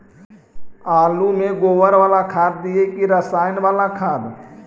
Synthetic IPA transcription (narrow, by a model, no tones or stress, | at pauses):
aːlumẽɡoːʋəɾʋaːlakʰaːd̪̚d̪iekiɾəsaːɪnʋaːlakʰaːd̪